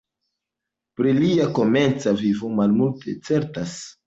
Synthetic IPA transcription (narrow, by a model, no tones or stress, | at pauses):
pɾiliako̞me̞nt͡savivo̞malmulte̞t͡se̞ɾtas